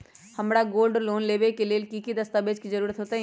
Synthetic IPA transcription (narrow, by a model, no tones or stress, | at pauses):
hɐmɽaɡoːlɖloːnleːʋekelelkikid̪ɐst̪abeːd͡ʒkid͡ʒɐɾuːɾət̪ɦoːt̪a